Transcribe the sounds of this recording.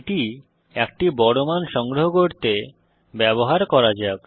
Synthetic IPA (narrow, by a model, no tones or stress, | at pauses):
ʈi | ɛkʈibɔɽomanʃɔŋɡɾoɦokoɾt̪e | bɛboɦaɾkɔɾad͡ʑab